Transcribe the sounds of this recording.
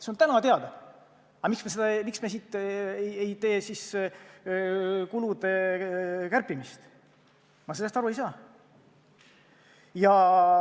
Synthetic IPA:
seont̪ænɑt̪e̞ɑd̪̥ɑ | ɑmiksmesed̪̥ɑmiksmesiːt̪ːˑejejt̪e̞ːsis | kulud̪̥e̞ | kærpːˑimist̪ | mɑselːest̪ɑɾue̞jsɑː | jɑ

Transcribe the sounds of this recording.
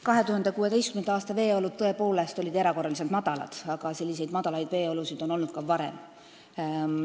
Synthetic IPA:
kɑɦe̞t̪uhɑnd̪̥e̞kuːe̞t̪ejst̪kymenɑɑːst̪ɑve̞ːo̞lud̪̚t̪ɤ̞e̞po̞ːle̞st̪o̞lʲid̪eɾɑko̞rːɑliselt̪mɑd̪̥ɑlɑ̰d̪̥ɑɡ̥ɑse̞lːise̞jd̪mɑd̪̥ɑlɑjd̪̥ve̞ːo̞lusid̪̥o̞no̞lnut̪̚kɑvɑɾe̞̰m

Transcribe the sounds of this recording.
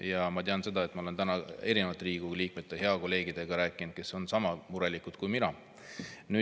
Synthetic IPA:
jɑmɑt̪eɑnse̞d̪̥ɑe̞t̪ːˑmɑole̞nt̪ænɑe̞ɾinevɑt̪ːˑɾiːɡ̥uliːk̚me̞t̪ˑːehe̞ɑko̞lːe̞ːɡ̥id̪̥e̞ɡ̥ɑɾæːkːˑind̪̥̚ke̞sonsɑmɑmuɾe̞likːˑud̪̥̚kujminɑ | nyː

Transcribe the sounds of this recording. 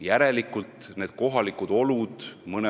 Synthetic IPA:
jæɾe̞likːˑult̪ne̞ːd̪̥̚ko̞ɦɑlikud̪̥o̞lud̪̥mɤne

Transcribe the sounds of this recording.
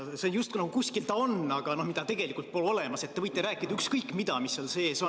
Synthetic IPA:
seonjust̪kunɑɡukuskilt̪ɑo̞nːɑɡ̥ɑno̞hmid̪̥ɑt̪e̞ɡ̥e̞likːˑult̪̚po̞lo̞le̞mɑset̪ːe̞vɤjt̪ːˑeɾæːkːˑid̪̥ɑykskɤjkːˑmid̪̥ɑmisːo̞lse̞ːso

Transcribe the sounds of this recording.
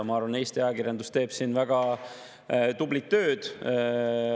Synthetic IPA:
mɑɑɾvɑne̞ːst̪iɑjɑkiɾjɑnd̪ust̪e̞ːb̥sinvæɡ̥ɑ | t̪ublit̪ːø̞ːd̪̥

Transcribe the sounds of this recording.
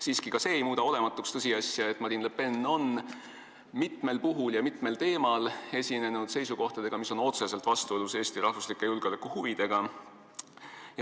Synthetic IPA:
siːskikɑse̞ːejmuːd̪ɑo̞le̞mɑt̪ːˑukst̪ɤsiɑsjɑe̞t̪ːˑmɑɾinlepe̞nːo̞n | mit̪me̞lpuɦuljɑmit̪ˑme̞lt̪e̞ːmɑle̞sʲine̞nud̪se̞jsuko̞ht̪ɑd̪̥e̞ɡ̥ɑmiso̞no̞t̪se̞se̞lt̪ˑvɑst̪ueluse̞ːst̪iɾɑhvuslikːˑe̞julɡ̥olekːˑuhuvid̪̥e̞ɡ̥ɑ

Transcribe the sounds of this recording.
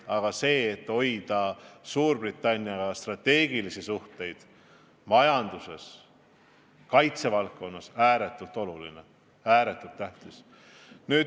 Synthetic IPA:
ɑɡ̥ɑse̞ːt̪ːo̞jd̪̥ɑsuːrb̥rit̪ːˑɑnʲːiɑɡɑst̪rɑt̪ːe̞ːɡ̥ilisisuht̪e̞jd̪̥ | mɑjɑnd̪̥use̞s | kɑjt̪se̞vɑlkːo̞nːɑsæːɾet̪ːˑult̪ˑo̞lulḭne | æːɾe̞t̪ːˑult̪ːæht̪is | nyːd

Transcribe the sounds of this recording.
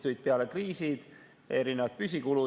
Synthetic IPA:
t̪ujt̪̚peɑle̞kriːsid̪̥ | e̞ɾine̞vɑt̪̚pys̬ʲikulu

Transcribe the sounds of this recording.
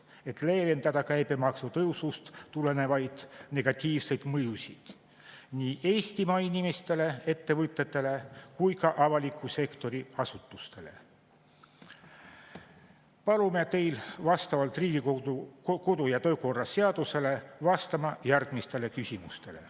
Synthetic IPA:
e̞t̪ˑle̞ːle̞nd̪ɑd̪̥ɑkæjbemɑksut̪ɤusust̪t̪ːule̞ne̞vɑjd̪̥ne̞ɡ̥ɑt̪ʲiːvse̞jd̪̥mɤjusid̪̥ | niːʔe̞ːst̪imɑinʲimest̪e̞le̞e̞t̪ːe̞vɯt̪ːˑe̞t̪ːˑe̞le̞kujkɑʔɑvɑlikʰːˑuse̞kt̪o̞ɾiɑsut̪ːˑust̪e̞le̞̰ | pɑlume̞t̪e̞jlvɑst̪ɑvɑlt̪riːɡ̥ioko̞d̪ujɑt̪ø̞ːko̞rːɑse̞ɑd̪̥use̞le̞vɑst̪ɑmɑjærɡ̥mist̪e̞le̞kysimust̪e̞le̞̰

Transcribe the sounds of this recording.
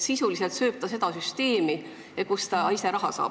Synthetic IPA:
sisulise̞lt̪sø̞ːp̚t̪ɑse̞d̪̥ɑsyst̪e̞ːmi | ekust̪ɑise̞ɾɑɦɑsɑ̰ːb

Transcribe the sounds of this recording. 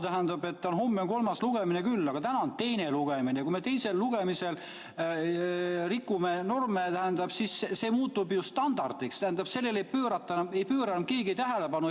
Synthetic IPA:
t̪æɦænd̪̥ɑbe̞t̪ːonɦo̞mːeoŋko̞lmɑsluɡ̥e̞minekylːɑɡ̥ɑt̪ænɑont̪e̞jne̞luɡ̥emineɑkuime̞t̪e̞jse̞lːuɡ̥e̞mise̞l | rikːˑumeno̞rmet̪æhænd̪ɑb̥sisse̞ːmuːt̪ːˑubjust̪ɑnd̪̥ɑrd̪̥ikst̪æhænd̪̥ɑb̥se̞lːe̞le̞jpøːɾɑt̪ːˑɑne̞jpøːɾɑnɑm̚ke̞ːɡiejt̪æɦele̞pɑnu

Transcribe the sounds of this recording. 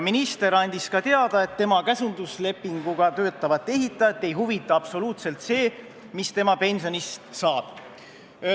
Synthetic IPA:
minist̪e̞ɾɑnʲd̪̥iskɑt̪e̞ɑd̪̥ɑe̞t̪ːe̞mɑkæsund̪̥usle̞pːiŋɡ̥uɡ̥ɑt̪ø̞ːt̪ːˑɑvɑt̪ˑːe̞ɦit̪ːˑɑt̪ːe̞jɦuvit̪ˑːɑɑpso̞luːt̪se̞lt̪se̞ː | mist̪e̞mɑpe̞nʲso̞nist̪sɑːb̥

